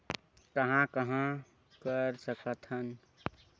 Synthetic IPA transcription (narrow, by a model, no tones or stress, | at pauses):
kəɦãkəɦã | kəɾsəkət̪ɦən